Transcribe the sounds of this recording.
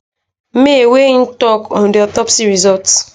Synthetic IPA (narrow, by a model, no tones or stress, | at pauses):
m̩meewen̩tɔkɔn̩dɪɔtɔpsiɾizɔlt